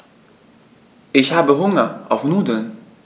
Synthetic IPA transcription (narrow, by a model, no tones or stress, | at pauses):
ɪçhaːbəɦʊŋɐʔɑ̰ʊfnuːdən